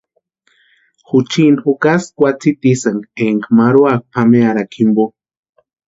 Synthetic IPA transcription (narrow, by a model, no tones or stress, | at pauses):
xut͡ʃinxukaskʷat͡sit̪isaŋɡeŋɡmaɾuak̚pʰameaɾakʰimbo